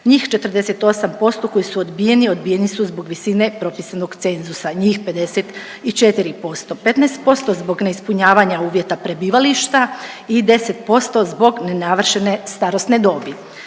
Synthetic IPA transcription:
ɲiːxt͡ʃe̞t̪ər̩d̪e̞se̞t̪o̞sampo̞st̪o̞ko̞jisuod̪bije̞nio̞d̪bije̞nisuzbo̞ɡʋisine̞pɾo̞pisanoɡt̪se̞nzusaɲiːxpe̞d̪e̞set̪ | it͡ʃe̞t̪iɾipo̞st̪o̞pe̞t̪naest̪̚po̞st̪ozbo̞ɡne̞ispuɲaːʋaɲauːʋje̞t̪apɾe̞biːʋaliʃt̪a | id̪e̞se̞t̪po̞st̪o̞zbo̞ɡne̞naʋr̩ʃe̞ne̞st̪aɾosne̞d̪o̞ːbi

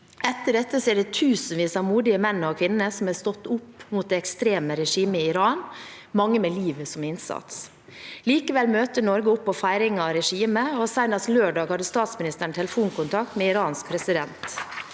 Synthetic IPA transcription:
ɛt̪ːəɖɛt̪ːəsɛːɖɛt̪ʰʉːsən̩ʋiːsɑmuːd̪ɪəmɛnːɔkʰʋɪnnəsɔmæɾst̪ɔt̪ːʊpːmuːt̪̚d̪ɛːɛkst̪ɾeːməɾɛʂiːməɪɪɾɑːn | mɑŋːəmeːliːʋəsɔmɪnsɑ̰t̪s | liːkəʋɛlmøːt̪əɳɔɾɡəʊpːɔfæɪɾɪŋɑɾɛʂiːməɔsæɪnɑsløːɖɑːɡhɑd̪ːəst̪ɑːt̪smɪnɪst̪əɳt̪ʰɛləfuːnkʊnt̪ʰɑk̚t̪meːɪɾɑːnsk̚pʰɾɛsɪd̪ɛnt̪

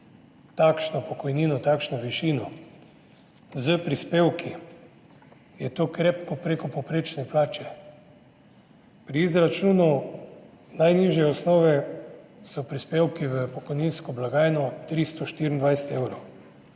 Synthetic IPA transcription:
t̪akʃnɔpɔkɔjniːnɔt̪akʃnɔʋiʃiːnɔ | zəpɾispeːwki | jɛt̪oːkɾeːpkɔpɾekɔpɔpɾeːt͡ʃnɛplaːt͡ʃɛ | pɾiizɾat͡ʃuːnu | najniʒjɛɔsnɔːʋɛ | sɔpɾispewkiʋəpɔkɔjninskɔblaɡaːjnɔt̪ɾist̪ɔʃt̪iːɾʲind̪ʋajsɛ̥t̪ewɾɔw

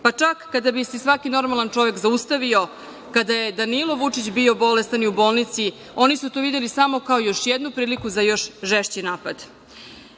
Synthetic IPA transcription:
pat͡ʂakːad̪abisisʋakino̞ɾmalˠant͡ʂo̞ʋe̞kzaust̪aʋio̞ | kad̪ajed̪anilˠo̞ʋut͡ʂit͡ɕbio̞bo̞lest̪aniubo̞ːlˠnit̪si | o̞nisut̪oːʋid̪e̞lisamo̞kaojo̞ʃjed̪nupɾiːlikuzajo̞ʃʒeʃt͡ɕinaːpad̪

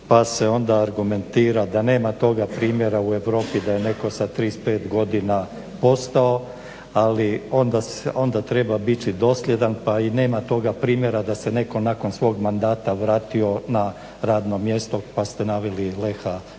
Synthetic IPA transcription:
pase̞o̞nd̪aːɾɡume̞nt̪iːɾad̪ane̞ːmat̪o̞ɡapɾiːmje̞ɾaue̞ʋɾo̞ːpid̪aje̞ne̞ko̞sat̪ɾiːspeːt̪ɡo̞d̪ina | po̞st̪ao̞ | alio̞nd̪aso̞nd̪at̪ɾe̞babit͡ʃid̪o̞slʲje̞d̪anpaine̞ːmat̪o̞ɡapɾiːmje̞ɾad̪ase̞ne̞ko̞nako̞nsʋo̞ːɡmand̪aːt̪aʋɾaːt̪io̞na | ɾaːd̪no̞mje̞st̪o̞past̪enaːʋililexa

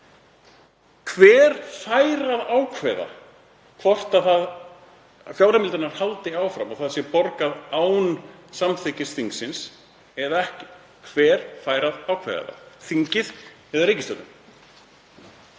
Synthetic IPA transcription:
kʰvɛːɾ̥faːjɾaðaːwkʰvɛða̰ | kʰvɔr̥t̪aðθað | fjawɾamɪlt̪ʏɾnaɾ̥halt̪ɪaːwfɾamaθaðsjɛpɔɾkaðaːwnsamθɪcːɪsθiŋksɪns | ɛðaɛhcɪ̥ | kʰvɛːɾ̥faːjɾaðawkʰvɛ̰ða̰ða̰θiɲcɪð | ɛðaɾiːjcɪst̪œt̪ʏm

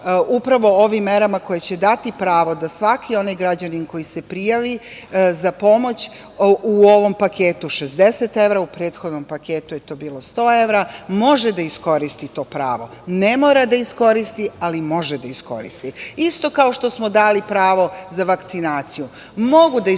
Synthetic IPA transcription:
upɾaʋo̞oʋimːe̞ɾamako̞jet͡ɕe̞d̪at̪ipɾaːʋo̞d̪asʋakʰio̞najɡɾad͡ʑaninko̞jise̞pɾijaʋizapo̞mo̞t͡ɕ | uo̞ʋo̞mpake̞ːt̪uʃezd̪e̞set̪e̞ʋɾaupɾe̞ːd̪xo̞d̪nompake̞ːt̪uje̞t̪o̞biːlˠo̞st̪o̞ːe̞ʋɾamo̞ʒed̪aisko̞ɾist̪it̪o̞ːpɾa̰ːʋo̞ne̞moɾad̪aisko̞ɾist̪ialimo̞ʒed̪aisko̞̰ɾḭst̪iist̪o̞kao̞ʃt̪o̞smo̞d̪aːlipɾaːʋo̞zaʋakt̪sinaːt̪siju | moɡud̪a

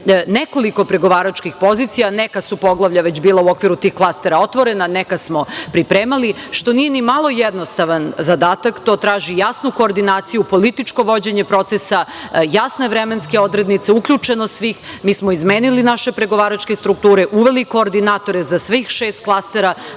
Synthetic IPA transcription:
neko̞liko̞pɾe̞ɡo̞ʋaːɾat͡ʃkixpo̞zit̪sijanekasupo̞ɡlˠaʋʎaʋe̞t͡ɕbiːlˠauo̞kʋiɾut̪iːxklˠast̪eɾaot̪ʋo̞ɾe̞nanekasmo̞pɾipɾeːmaliʃt̪o̞nije̞nimalˠo̞jed̪no̞st̪aʋanzad̪aːt̪akt̪o̞t̪ɾaːʒijasnuko̞ːɾd̪inaːt̪sijupo̞lit̪it͡ʃko̞ʋo̞d͡ʑeɲe̞pɾo̞t̪sesajasne̞ʋɾemenske̞o̞d̪ɾe̞d̪nit̪se̞ukʎʲut͡ʃe̞nosʋiːxmiːsmoizmeːnilinaʃepɾe̞ɡo̞ʋaːɾat͡ʃke̞st̪ɾuk̚t̪uːɾe̞ʔuʋe̞likoːɾd̪inaːt̪o̞ɾezasʋixʃeːst̪̚klˠast̪eɾa

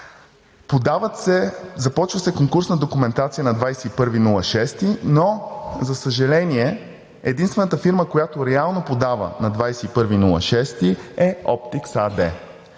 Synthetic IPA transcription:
pod̪avəsɛzɐpɔt͡ʃvəsɛkoŋkuɾsnəd̪okumɛnt̪at̪sijənɐd̪vajsɛipɤɾvinulˠɐʃɛst̪inozɐsəʒɛlɛniɛ | ɛd̪inst̪vɛnət̪əfiɾməkojat̪oɾɛalˠnopod̪avə̰nɐd̪vajsɛipɤɾvinulˠə̰ʃɛst̪iɛɔpt̪iksad̪ɛ

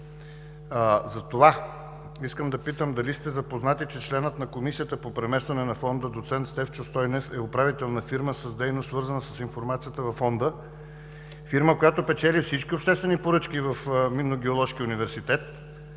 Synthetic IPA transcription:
zɐt̪ova | iskəmd̪ɐpit̪əmd̪ɐlist̪ɛzɐpoznat̪it͡ʃɛt͡ʃlɛnət̪nɐkomisijət̪əpopɾɛmɛst̪vɐnɛnɐfɔnd̪əd̪ot̪sɛnt̪st̪ɛft͡ʃost̪ɔjnɛsɛʊpɾavit̪ɛlˠnɐfiɾməsəzd̪ɛjnossvɤɾzənəsəsinfoɾmat̪sijət̪əvɐfːɔnd̪ə | fiɾməkojat̪opɛt͡ʃɛlifsit͡ʃkʲiopʃt̪ɛst̪vɛnipoɾɤt͡ʃkʲivəfminoɡʲɛolˠɔʃkʲiʊnivɛɾsit̪ɛt̪

